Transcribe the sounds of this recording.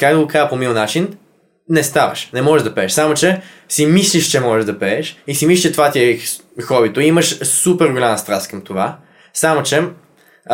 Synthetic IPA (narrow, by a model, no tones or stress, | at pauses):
kakd̪oɡokazəpomilˠnat͡ʃin | nɛst̪avɐ̰ʃnɛmɔʒɛʒd̪ɐpɛːʃsamot͡ʃɛsimislʲiʃt͡ʃɛmɔʒɛʒd̪ɐpɛɛʃisimisiʃt͡ʃɛt̪ovat̪iɛ | xɔvit̪oiiməʃsupɛɾɡolʲaməst̪ɾast̪kəmt̪ova | samot͡ʃɛ